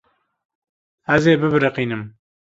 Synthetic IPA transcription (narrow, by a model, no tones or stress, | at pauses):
æzeːbɨbɨɾɨqiːnɨm